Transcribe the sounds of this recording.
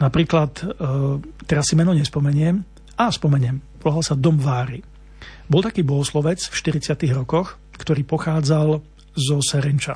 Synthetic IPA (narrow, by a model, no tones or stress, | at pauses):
napɾiːklat̪ | t̪ːɛɾasːimɛnɔɲɛspɔmɛɲɪɛm | aspɔmɛɲɪɛmpɔlaɦalsad̪ɔmʋaːɾi | bɔlˠt̪akiːbɔɦɔslɔʋɛt͡sfʃt̪iɾit͡sɪat̪iɣɾɔkɔx | kt̪ɔɾiːpɔxaːd͡zal | zɔsɛɾint͡ʃa̰